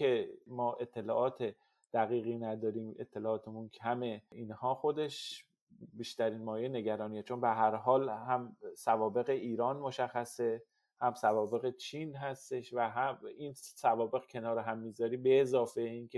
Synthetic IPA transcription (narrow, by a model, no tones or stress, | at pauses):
e̞mɒːʔe̞t̪ʰːe̞lɒːʔɒːt̪ʰe | d̪̥æɣiːɣiːnæd̪ɒːɾiːme̞̰t̪ʰːe̞lɒːɒːt̪ʰemuncʰæme̞inhɒːxo̞d̪e̞ʃ | biːʃt̪æɾiːnmɒːjejne̞ɟæɾɒːnijet͡ʃʰo̞nbeɦæɾɦɒːlhæmsævɒːbe̞ɣeʔiːɾɒːnmo̞ʃæxːæse̞ | hæmsævɒːbe̞ɣet͡ʃʰinɦæst̪e̞ʃvæɦæinsævɒːbe̞ɣcʰe̞nɒːɾeɦæmːiːzɒːɾiːbeːzɒːfeiːnkʰe